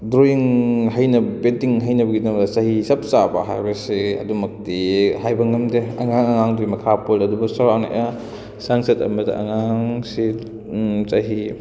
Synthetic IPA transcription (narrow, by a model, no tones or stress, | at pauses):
dɾoiŋɦɐjnɐbetiŋɦɐjnɐbɐɡidɐŋɐsɐɦisɐp̚sabɐ̰ɦa̰jbɐsiɐ̰dumɐk̚tihajbɐŋɐmdeɐŋaŋɐŋaŋdimɐkʰapolɐdubɐsaɾawna̰ja | saŋsɐtɐ̰mɐdɐ̰ʔɐŋaŋsi | sɐɦi